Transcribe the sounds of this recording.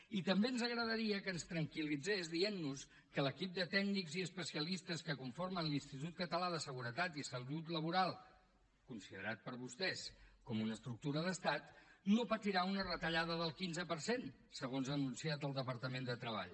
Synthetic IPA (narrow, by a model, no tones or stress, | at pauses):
it̪əmbeənzəɣɾəðəɾiəkənst̪ɾəŋkilid͡zezðienːus | kələkip̚d̪ət̪ɛɡnikziəspəsiəlist̪əskəkuɱfoɾmənlinst̪it̪ut̪̚kət̪əlaðəsəɣ̞uɾət̪at̪isəlut̪ləβuɾalˠ | kunsiðəɾat̪̚pəɾβust̪ɛskɔmunəst̪ɾuk̚t̪uɾəðəst̪at̪nopət̪iɾaunərət̪əʎaðəðəlˠkinzəpəɾsen | səɣonzənunsiat̪əlˠd̪əpəɾt̪əmend̪ət̪ɾəβ̞a̰ʎ